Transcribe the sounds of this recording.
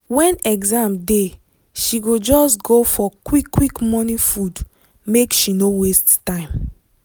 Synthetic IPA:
wɛ̃nɛɡzãmde | ʃiɡod͡ʒɔsɡofɔkwikːwikmɔnĩfud | mekʃinowesttãɪ̃m

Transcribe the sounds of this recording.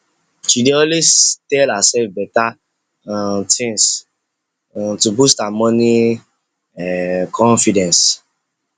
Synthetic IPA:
ʃideõlestɛlhasɛlfbɛta | tʰĩŋs | tubustamɔ̃ni | kʰɔ̃nfidɛ̃ns

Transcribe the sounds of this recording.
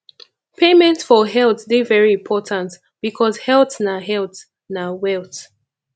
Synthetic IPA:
pʰemɛ̃ntsfɔɦɛlˠθdivɛɹiɪ̃mpʰɔtʰãnt | b̥ikʰɔzhɛlˠθnaɦɛlˠt | nawɛlˠt

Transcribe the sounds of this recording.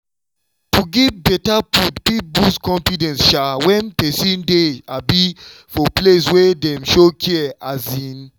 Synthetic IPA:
tuɡivbɛtaputpip̚buskɔ̃ɱfidɛ̃nsʃawɛ̃npɛsĩndeabifɔpleswɛdɛ̃mʃokʰiɛazĩn

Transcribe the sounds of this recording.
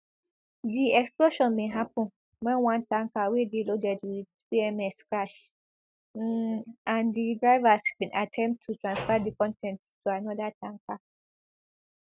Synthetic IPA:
diɛksploʃɔ̃nmẽɦap̚ʰʊ̃n | wɛ̃nwãntʰãŋkawedilodɛdwidbiɛmɛskɹaʃ | ãndidɹaɪvasbĩnʔatʰɛ̃mptʰːutʰɹãnsfadikʰɔ̃ntʰɛ̃nttʰuanɔdatʰãŋkʰa

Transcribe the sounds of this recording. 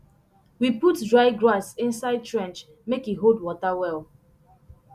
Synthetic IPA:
wiputdɹaɪɡɹasĩnsaɪd̚tɹɛ̃nt͡ʃ | mekiɦoldwɔtawɛlˠ

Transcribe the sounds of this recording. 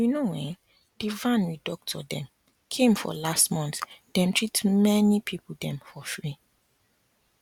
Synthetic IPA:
junowɛ̃ | d̥ivãnwidɔk̚tʰɔdɛ̃m | kʰẽmfɔ̰lastmɔ̃ntd̥ɛ̃mtʰɹitmɛnipʰipldɛ̃mfɔfɹi

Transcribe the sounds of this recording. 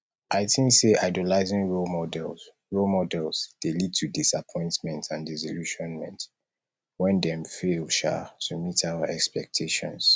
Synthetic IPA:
aɪtʰĩnseʔaɪdilaɪzĩŋɹolmɔdɛl | ɹolˠmɔdɛlˠzd̥elid̚tʰudisapʰɔ̃ɪ̃ntmɛ̃ntʰãndizɔluʃɔ̃nmɛ̰̃nt | wɛ̃ndɛ̃mfelʃa̰tʰumitʰaʊəɛkspɛk̚tʰeʃɔ̰̃ns

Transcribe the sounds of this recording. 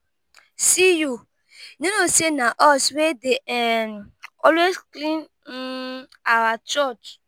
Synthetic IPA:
siju | nĩnosenaʔɔswedeɛnɔlwesklĩn | awat͡ʃɔt͡ʃ

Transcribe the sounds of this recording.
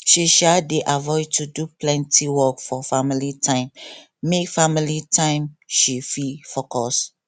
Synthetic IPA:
ʃiʃadeʔavɔɪd̚tʰuduplɛ̃ntʰiwɔkfɔfamilitʰãɪ̃mː | ekfamilitʰãɪ̃mʃififɔkɔs

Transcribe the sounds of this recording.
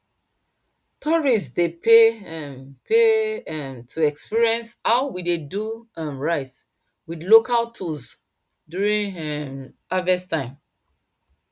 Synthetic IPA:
tʰɔɹistdepe | pe | tʰuɛkspiɹiɛ̃nshaʊwideduə̃nɹaɪt | widlokʰaltʰuls | djuɹĩnɛavɛstãɪ̃m

